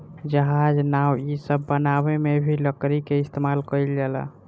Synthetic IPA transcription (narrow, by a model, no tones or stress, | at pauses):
d͡ʒəɦad͡ʒnawisəbːənabemebʱiləkɾikeist̪emalkəjld͡ʒɛla̰